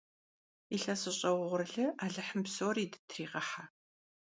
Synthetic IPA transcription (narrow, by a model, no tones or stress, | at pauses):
iɬɐsɨɕʼɐwʁʷʊrɨɮɨʔaːɮɨħəmpsoːriːdɨ̥tʰriːqɐħa